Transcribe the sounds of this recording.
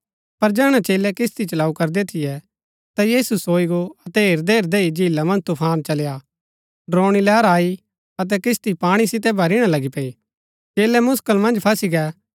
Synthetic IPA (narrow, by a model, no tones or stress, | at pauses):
pɐɾd͡ʒɛːɽ̃ãt͡ʃeːlɛkɪst̪it͡ʃɐlaːukɐɾd̪ɛt̪ʰɪjɛ | t̪ajiːsusoːiɡoɐt̪ɛɦeːɾd̪eːɾd̪eid͡ʒʱiːlamɐ̃nd͡ʒt̪upʰaːnt͡ʃɐlja | ɖɾoːɽ̃ilɛːɾaːi | ɐt̪ɛkɪst̪ipaːɽ̃isɪt̪ɛbʱɐɾɪɽ̃alɐɡipɛi | t͡ʃeːlɛmʊskəlmɐ̃nd͡ʒpʰɐsiɡɛː